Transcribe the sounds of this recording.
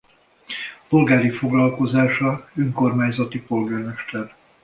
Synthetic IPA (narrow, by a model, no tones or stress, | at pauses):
po̞lɡaːɾifo̞ɡlɒlko̞zaːʃɒøŋko̞rmaːɲzɒt̪ipo̞lɡaːrmɛʃt̪ɛn